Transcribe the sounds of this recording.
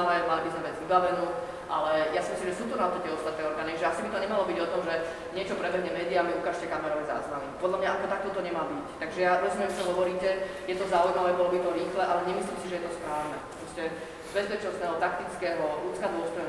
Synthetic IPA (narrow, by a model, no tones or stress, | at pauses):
lamalibizmɛbɛd͡zʋibaʋɛnuː | ʔa̰lɛjasimisimʒɛsuːt̪unaɔt̪at̪ːɛɔst̪at̪nɛːɔɾɡaːnit͡ʃʒɛasibit̪ɔɲɛmalɔbiɟɔt̪ɔmʒɛ | ɲɪɛt͡ʃɔpɾɛbɛɦɲɛmɛːd̪iamiukaːʃcɛkamɛɾɔʋɛza̰zʋalipɔd̪lamɲaakɔt̪ak̚t̪ɔt̪ɔɲɛmalbict̪aɡʒɛjaɾɔzumjɛmsɔɦɔʋɔɾiːcɛ | jɛt̪ɔzaujmaʋɛːbɔlɔbit̪ɔɾiːxlɛʔalɛɲɛmisliːmsiʒɛjɛt̪ɔspɾaːʊnɛpɾɔscɛ | zbɛzbɛt͡ʃnɔst̪nɛːɦɔt̪ak̚t̪it͡skɛːɦɔuːt͡skad̪ʊɔst̪ɔj